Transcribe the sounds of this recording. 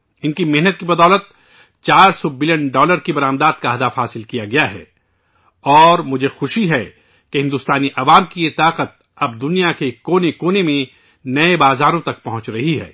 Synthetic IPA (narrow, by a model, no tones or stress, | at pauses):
ɪnkimɛɦnət̪̚kibɐd̪ɔːlət̪̚ | t͡ʃaːɾsɔbɪljənɖɔːləɾkibɐɾãːmd̪aːd̪kaɦɐd̪afɦaːsɪlkijaɡɐjaɦɛ̰ː | ɔːɾmʊd͡ʒʱexʊʃiɦɛ | keɦɪ̃nd̪ʊːst̪aːniʔɐʋaːmkijɪt̪aːqət̪̚ | ɐb̚d̪ʊnijakekoːnekoːnemẽ | nɐebaːzaːɾõt̪ɐk̚pɐɦʊ̃t͡ʃɾɐɦiɦɛ̰ː